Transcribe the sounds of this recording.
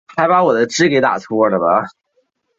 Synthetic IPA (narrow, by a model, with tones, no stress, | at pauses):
xa˧˥ɪpa˧˥wɔ˨˩d̪ə˦ʈ͡ʂɻ̩˥ke˧˥ɪt̪a̰˨˩t̪ʰwɔ˥˧lə˨bɐ̰˨